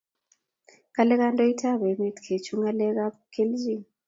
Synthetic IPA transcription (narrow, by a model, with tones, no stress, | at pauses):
kalɛ˦ka˦ntʼɔ˦i˦tʰa˦βɛ˨mi˦tkʰe˨t͡ʃʰu˦ŋa˦lɛ˦ka˦pkʰe˦lzi˦˨ŋ